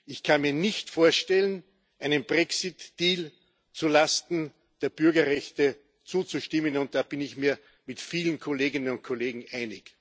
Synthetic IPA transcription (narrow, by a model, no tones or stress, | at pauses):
ɪçkʰanmiːɐnɪçtfoːɐʃtɛlən | ʔæɪnənbʁɛksɪtd̥iːl | t͡sulastn̩ | d̥eːɐb̥ʏɐɡɐʁɛçtə | t͡suːt͡suʃtɪmənʊnt̚d̥aːb̥ɪnɪçmiːɐ | mɪtfiːlənkʰoleːɡɪnənʊnt̚kʰoleːɡŋ̩ʔæɪnɪk